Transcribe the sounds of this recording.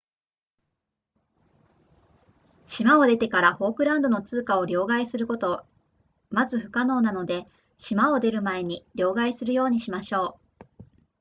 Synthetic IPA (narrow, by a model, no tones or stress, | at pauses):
ɕimao̞d̪e̞t̪e̞kaɾaho̞ːkɯ̟ɾãnd̪o̞no̞t͡sɨːkao̞ɾʲo̞ːɡaisɨɾɯ̟ko̞t̪o̞ | mazɨɸɯ̟̥kano̞ːnano̞d̪e̞ | ɕimao̞d̪e̞ɾɯ̟mae̞ɲ̟iɾʲo̞ːɡaisɨɾɯ̟jo̞ːɲ̟iɕimaɕo̞ː